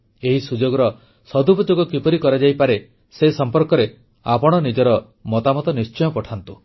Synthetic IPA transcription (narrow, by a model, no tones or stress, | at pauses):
eɦisud͡ʒoɡɔɾɔ | sɔd̪ʱubɔd͡ʒoɡɔkipɔɾikɔɾad͡ʒajpaɾe | sesɔmpɔɾkɔɾe | apɔɽ̃ɔnid͡ʒɔɾɔ | mɔt̪amɔt̪ɔnist͡ʃɔjɔpɔʈʰant̪u